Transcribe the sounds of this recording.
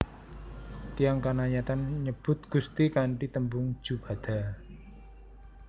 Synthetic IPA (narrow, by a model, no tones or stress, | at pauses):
t̪ijaŋkanaɲat̪anɲəb̥ʊ̤t̪̚ɡ̥ust̪ikaɳʈit̪əmbʊŋ̥d͡ʒ̥ub̥a̤d̪̥a̤